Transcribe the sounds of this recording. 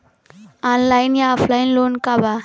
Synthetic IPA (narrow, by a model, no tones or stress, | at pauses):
anlajnjaɔpʰlajinlonkaba